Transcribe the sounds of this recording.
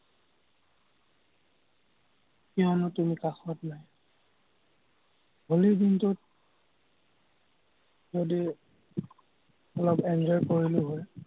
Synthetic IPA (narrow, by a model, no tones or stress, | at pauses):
kiɔnɔtumikaxɔtnaj | ɦolibintʊt̚ | zodi | ɔlɔpɛndɔɹkoɹilʊɦoj